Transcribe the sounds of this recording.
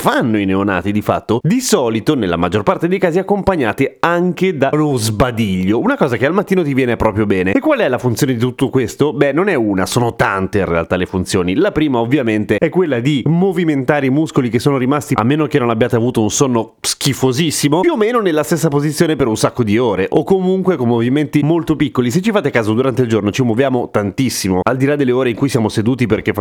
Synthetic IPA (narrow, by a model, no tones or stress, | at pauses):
fanːoineona̰ːt̪id̪ifa̰t̪ːod̪isɔːlit̪onelːa̰mad͡ʒːorpart̪ed̪ejkaːziakːompaɲːaːt̪eaŋk̟ed̪anozbad̪iʎːounakɔːzakealmat̪ːiːnot̪̬ivjɛːnepɾɔːpɾjobɛːneekːwalɛlafunt̪sjoːned̪it̪ut̪ːokwest̪obɛnːonɛunasoːnot̪ant̪einrḛa̰lt̪alefunt̪sjoːnilapɾiːmaovːjament̪eɛkːwelːad̪imoviment̪aːɾeimuskolik̟esːoːnoɾimast̪ia̰mːeːnok̟enːonabːjaːt̪eavuːt̪ounsonːo | skifozisːimojuomeːnonelːast̪esːapozit̪sjoːnepeɾunsakːod̪ioːɾeʔokːomuŋkwekommːoviment̪imolt̪opikːolis̬et͡ʃːifaːt̪ekaːzod̪uɾant̪eild͡ʒornot͡ʃimːovjaːmot̪ant̪isːimoald̪ilad̪ːelːeoːɾeiŋkujsjaːmosed̪uːt̪iperk̟ef